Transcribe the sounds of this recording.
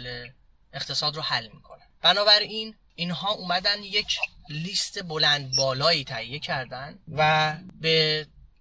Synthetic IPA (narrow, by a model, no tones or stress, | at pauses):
le | eχt̪ʰe̞sɒːd̪ɾohælːmikʰo̞næb̥ænɒːbæɾin | inɦɒːʔuːmæd̪ænd̪je̞cʰliːst̪e̞bo̞lænd̪̚bɒːlɒːiːt̪ʰæhijːe̞cʰæɾd̪ænvæbe̞